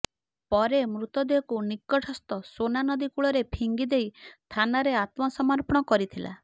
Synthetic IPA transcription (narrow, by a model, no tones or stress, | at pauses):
pɔɾemɾut̪ɔd̪eɔkunikːɔʈʰɔst̪ɔsonanɔd̪ikuɭɔɾepʰiŋɡid̪ejt̪ʰanaɾeat̪mɔsɔmaɾpɔɽ̃ɔkɔɾit̪ʰila̰